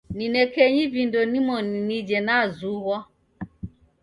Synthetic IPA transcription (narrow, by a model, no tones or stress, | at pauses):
ninɛkɛɲivindɔnimɔninid͡ʒɛnazuɣɔ